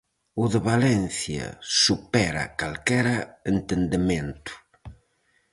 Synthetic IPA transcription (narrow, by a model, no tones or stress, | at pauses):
uðəβalɛnθja̰supɛɾa̰kalkɛɾaent̪end̪ement̪u̥